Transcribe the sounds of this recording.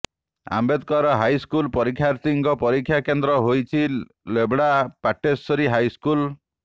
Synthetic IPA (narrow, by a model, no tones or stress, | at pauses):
a̰mbed̪kɔɾɔɦajskulpɔɾikʰːjaɾt̪iŋkɔpɔɾikʰːjakend̪ɾɔɦojt͡ʃʰi | lebɽapaʈesɔɾiɦajskul